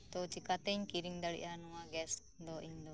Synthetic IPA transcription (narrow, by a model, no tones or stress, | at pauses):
t̪ɔt͡ʃikat̪ɛɲkiɾiŋd̪aɽḭʔanɔwaɡɛs | d̪ɔʔiɲd̪ɔ